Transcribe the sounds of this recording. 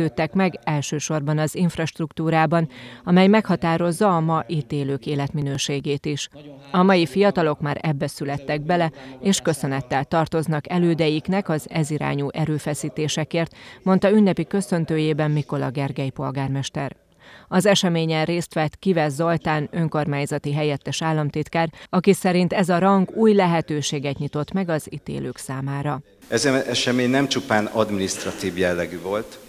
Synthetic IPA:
øːt̪ːɛkmɛɡɛlʃøːʃo̞rbɒnɒziɱfrɒʃt̪rukt̪uːɾaːbɒnɒmɛjmɛkhɒt̪aːɾo̞zːɒːmɒʔiːt̪eːløːkeːlɛt̪minøːʃeːɡeːt̪iʃ | ɒmɒjifijɒt̪ɒlo̞kmaːɾɛbːɛsylɛt̪ːɛɡ̚bɛlɛeːʃkø̞sø̞nɛt̪ːɛlt̪ɒrt̪o̞znɒkɛløːd̪ɛjiknɛkɒzɛziɾa̰ːɲuːʔɛɾøːfɛsiːt̪eːʃɛkeːrt̪mo̞nt̪ɒynːɛpikø̞sø̞nt̪øːjeːbɛmmiko̞lɒɡɛrɡɛjpo̞lɡaːrmɛʃt̪ɛr | ɒzɛʃɛmeːɲɛnreːst̪ʋɛt̪ːkivɛzɒlt̪aːnø̞ŋko̞rmaːjzɒt̪iɦɛjɛt̪ːɛʃaːlːɒmt̪it̪kaːrɒkisɛɾint̪ɛzɒɾɒŋɡuːjlɛɦɛt̪øːʃeːɡɛt̪ɲit̪o̞t̪mɛɡɒzit̪ḛːløːksaːmaːɾɒ | ɛzɛɛʃɛmeːɲnɛmt͡ʃupaːnɒd̪minist̪ɾrɒt̪iːvjɛlːɛɡyvo̞lt̪

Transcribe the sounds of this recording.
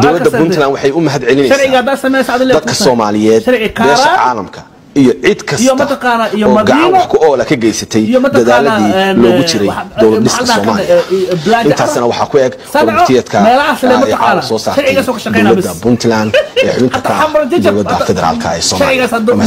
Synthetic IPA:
d̪ɔwlɐd̪ːɐbʊnt̪ʰlanwɑħɑjʊmɐɦɐd̪ʕɛlɪnɛjʃɐsɾʕɪɣad̪aːsɐmɛjsaɐðɪnld̪ɐd̪kʰɐsɔːmaːlɪjɛːd̪ʃɐɾɪɐkʰbɛːʃɾʃɐʕa̰ːlɐmkʰɐ̥ | ijɔʕɪd̪kʰɐjɔmɐtt̪ʰɐqaːnaijɔɔːmɐɡɐʕanwɑħkʰʊʔɔːlɐkʰɐɡɛjsɐt̪ʰɛjjɔmɐt̪ʰd̪ɐðaːlɐiːlɔːɣʊt͡ʃɪɾɛd̪ɔwlɐd̪ɪssɔːmaːlblaɪnt̪ʰaːsnɐwɑħɑkʰʊɛɡ | saɾʰɪjɐd̪kʰɐmɛːlɐaslɛmɐɛːɐʕaasɔːsaːɾʃɐɾʕɪɣaːsɔkʰɐʃɐdqɛɔjwnlɐbd̪ːɐbʊnt̪ʰland̪ɛːħʊβɪnɐt̪ʰːaaamɐɾd͡ʒɐd͡ʒɐwlɐd̪ːɐfɛðɛɾa̰ːlkʰɐɛ̰ːsɔːmʃɐʕɪɣaːsɐd̪m

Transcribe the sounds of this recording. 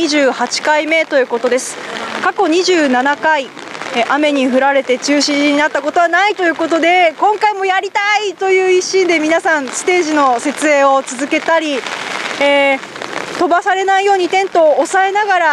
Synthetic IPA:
iʑɨːhat͡ɕi̥kaime̞t̪o̞jɯ̟ːko̞t̪o̞d̪e̞sɨ̥kako̞ɲ̟iʑɨːnanakai | ʔame̞ɲ̟iɸɯ̟ɾaɾe̞t̪e̞t͡ɕɨːɕiʑiɲ̟inat̪ːako̞t̪o̞βanait̪o̞jɯ̟ːko̞t̪o̞d̪e̞kõ̞ŋkaimo̞jaɾʲit̪ait̪o̞jɯ̟ːiɕĩnd̪e̞mʲinasãɰ̃sɨ̥t̪e̞ːʑino̞se̞t͡sɨe̞ːo̞t͡sɨzɨke̞t̪aɾʲi | e | t̪o̞basaɾe̞naijo̞ːɲ̟it̪ẽ̞nt̪o̞ːsae̞naɡaɾa

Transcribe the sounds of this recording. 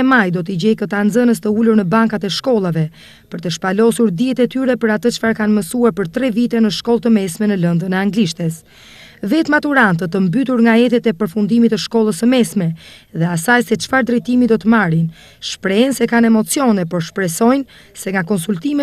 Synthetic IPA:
ɛmajd̪ɔt̪əɟɛjkət̪and͡zənəst̪əuluɾnəbaŋkat̪ɛʃkɔlˠavɛ | pəɾt̪əʃpalɔsuɾd̪iɛt̪ɛt̪yɾɛpəɾat̪ət͡ʃə̥faɾkanməsuaɾpəɾt̪ɾɛvit̪ɛnəʃkɔlˠt̪əmɛsmɛnələnd̪ənɛaŋɡliʃt̪ɛs | vɛt̪mat̪uɾant̪ət̪əmbyt̪uɾŋɡaɛt̪ɛt̪ɛpəɾfund̪imit̪əʃkɔlˠəsəmɛsmɛðɛasajsɛt͡ʃə̥faɾd̪ɾɛt̪imid̪ɔt̪əmaɾin | ʃpɾɛnsɛkanɛmɔt͡sijɔnɛpɔɾʃpɾɛsɔjn | sɛŋɡakɔnsult̪imɛ

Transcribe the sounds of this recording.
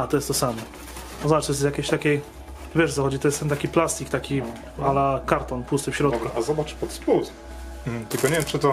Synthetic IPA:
at̪ɔjɛst̪t̪ɔsamɔ | ɔzbaʈ͡ʂt̪jɛsjakʲeɕt̪akʲej | vʲɛʂt̪sɔxɔd͡ʑit̪ɔjɛst̪ɛnt̪akʲiplast̪ʲikt̪akʲi | alakaɾt̪ɔnpust̪ɨfɕɾɔd̪kɾuazɔbat͡ʂpɔt̪spwus̩ | t̪ɘlkɔɲeɛvʲjɛmt͡ʂɨt̪ɔ

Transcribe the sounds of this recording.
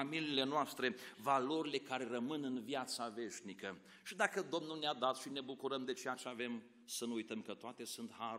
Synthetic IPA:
amiliːle̞noast̪ɾe̞valo̞ɾile̞kaɾe̞ɾəmɨnɨnvjat̪save̞ʃnikə | ʃid̪akəd̪o̞mnulnead̪at̪ʃine̞bukuɾəmd̪e̞t͡ʃejat͡ʃeave̞m | sənuujt̪əmkət̪oat̪e̞sunt̪ha

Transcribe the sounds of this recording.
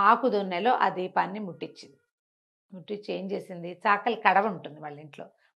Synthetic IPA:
aːkud̪onːelo̞ːʔɐ̰d̪iːpaːnːimuʈːit͡ʃːind̪i | muʈːit͡ʃːeːɲt͡ʃe̞ːsind̪it͡ʃaːkɐlkɐɽɐʋuɳʈund̪iʋaːɭːiɳʈlo̞̰ː

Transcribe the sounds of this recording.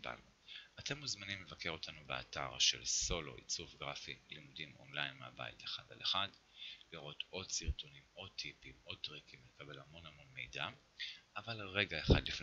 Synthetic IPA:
ba̰nu | ate̞mːuzmanimlevake̞ʁo̞tʰanubea̰ta̰ʁʃe̞̰lso̞lo̞̰ʔḭt͡sufɡʁafilimudimo̞̰nlajnmea̰ba̰jḭteχada̰leχad | liʁo̞tʰo̞dsiʁtonimo̞t̪ʰipimo̞d̚t̪ʁikimlekabe̞lhamo̞namo̞nme̞̰jda | ʔavalʁe̞ɡaeχa̰dlif

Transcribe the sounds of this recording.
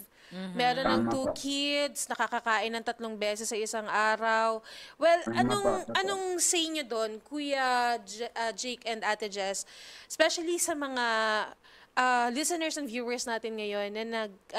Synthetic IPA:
mɛːɾonɐŋt̪uːkʰɪd̪snɐkɐkɐkaːʔɪnːɐŋt̪ɐt̪loŋbɛːsɛsːɐɪsɐŋʔaːɾɐwwɛlʔɐnoŋʔɐnoŋsɛjɲod̪o̞nkuːjɐd͡ʒʔɐd͡ʒejkɛnd̪at̪ɛd͡ʒɛsspɛʃɐlisɐmɐŋa | ʔɐlɪsɛnɛɹsɐnvjuːwɛɹsnaːt̪ɪnŋɐjo̞nːɐnɐɡ̚

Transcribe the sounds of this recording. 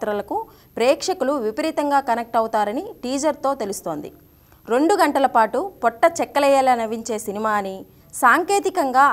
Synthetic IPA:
t̪ɾɐlɐku | pɾɛːkʂɐkuluʋipɐɾiːt̪ɐŋɡaːkɐnek̚ʈɐwut̪aːɾɐniʈiːd͡ʒɐɾt̪o̞ːt̪e̞lust̪o̞ːnd̪ḭ | ɾe̞ɳɖuɡɐɳʈɐlɐpaːʈupɔʈːɐt͡ʃɛkːɐlɛjɐlɐnɐʋiɲt͡ʃe̞ːsinimaːni | saːŋke̞ːt̪ikɐŋɡaː

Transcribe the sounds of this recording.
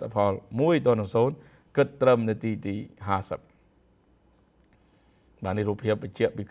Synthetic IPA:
t̪ʰːapʰɑlmuəjt̪ɔ̆ənɨŋsoːn | kɨt̪ːrəmnɨwt̪iːt̪iːɦaːsəp̚ | ɓaːnihruːpʰiəp̚ɓəɲ̚t͡ɕɛ̆əʔpiːk

